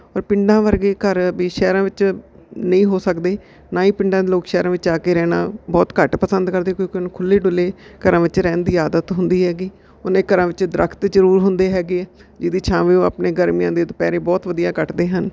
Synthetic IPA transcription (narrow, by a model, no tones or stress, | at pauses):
ɔːɾpɪɳɖãːʋəɾɡeːkəɾʋiːʃɛːɾãːʋɪt͡ʃ | nəĩːɦoːsəkd̪eː | naːiːpɪɳɖãːd̪eːloːkʃɛːɾãːʋɪt͡ʃaːkeːɾɛːnã̰ːbɔːt̪kəʈpəsənd̪kəɾd̪eːkoiknːkʰʊlːeːɖʊleːkəɾãːʋɪt͡ʃɾɛ̃ːnd̪iːaːd̪ət̪ɦʊnd̪iːɦɛːɡiː | ʊneːkːəɾãːʋɪt͡ʃd̪ɾəkʰt̪d͡ʒəɾuːɾɦʊnd̪eːɦɛːɡeːɛːd͡ʒɪd̪iːt͡ʃʰãːʋeːõːa̰pneːɡəɾmjãːd̪eːt̪pɛːɾẽːbɔːt̪ʋəd̪ijãːkəʈd̪eːɦən